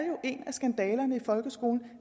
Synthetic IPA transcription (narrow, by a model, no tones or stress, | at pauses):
jo̝ʔe̝næsɡ̥ænd̥ɛːlɐnəifɒ̽lɡ̥əsɡ̥o̝̰ːln̩